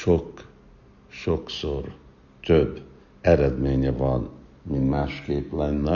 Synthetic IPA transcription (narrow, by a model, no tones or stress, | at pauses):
ʃok | ʃoksor | t̪øbː | ɛɾɛd̪meːɲɛvɒn | mint̪maːʃkeːplɛnːɛ